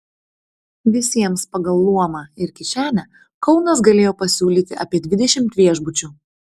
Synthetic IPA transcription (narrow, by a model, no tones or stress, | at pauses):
ʋʲɪsʲiɛmspɐɡɐlˠːuɔmɑɪɾkʲɪʃʲæːnʲæ | kɒʊnɐs̬ɡɐlʲeːjoːpɐsʲuːlʲiːt̪ʲɪʔɐːpʲiɛd̪ʲʋʲɪd̪ʲɛʃʲɪmt̪ʲʋʲiɛʒbʊt͡ʃʲuː